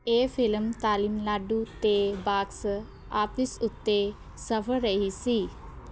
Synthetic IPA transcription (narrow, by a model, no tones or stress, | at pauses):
efilmt̪aːlimlaɖut̪ebaːksə | ap̪isut̪ːe | səfəɾəɦisi